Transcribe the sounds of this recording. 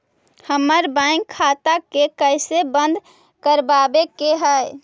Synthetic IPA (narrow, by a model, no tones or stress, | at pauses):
həməɾbãkʰːat̪akekəjsebənd̪ʱ | kəɾbabekeɦəj